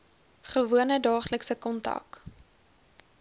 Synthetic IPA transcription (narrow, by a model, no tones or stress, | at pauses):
χəvuənədɑːχləksəkɔntɐ̰k